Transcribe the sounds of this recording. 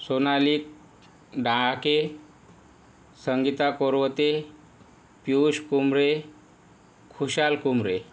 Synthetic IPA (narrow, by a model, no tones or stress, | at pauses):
sonaliːk̚ | ɖãake | səŋɡit̪akoɾʋət̪e | pjuɕkumɾe | kʰuɕalkumɾe